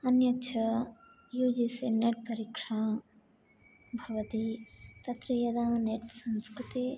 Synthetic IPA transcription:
ɐnjɐtːt͡ʃʰɐ | juːd͡ʒisineʈ̚pɐɾikʂaː | bʱɐʋɐt̪it̪ɐt̪ɾɐjɐd̪aːneʈsɐ̃nskɾut̪e

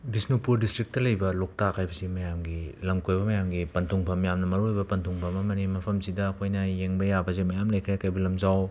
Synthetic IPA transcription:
bisnupuɾdistɾik̚tɐlɐjbɐlok̚takʰajbɐsimɐjamɡilɐmkʰojbɐmɐjamɡipɐntʰuŋpʰɐmjamnɐmɐɾujbɐpɐntʰuŋpʰɐmɐmɐnimɐpʰɐmsidɐɐkʰojnɐjeŋbɐjabɐzimɐjamlɐjkʰɾekajbɐlɐmzaw

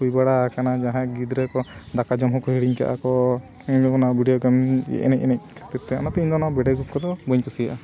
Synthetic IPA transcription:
ujbaɽakanad͡ʒaɦãɡid̪ɾɛkɔd̪akad͡ʒɔmɦɔkɔhiɽiɲka̰ʔa̰kɔ | iɲɔɔnabʱiɖijɔɡamɛ̰ʔɛ̰nɛc̚ɛnɛc̚kʰat̪iɾt̪ɛa̰nat̪ɛiɲd̪ɔnabɛɖɛɡukɔd̪ɔbəɲkusiaʔa

